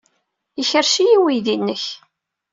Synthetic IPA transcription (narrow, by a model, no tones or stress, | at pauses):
əçəɾʃijiwiðinːəç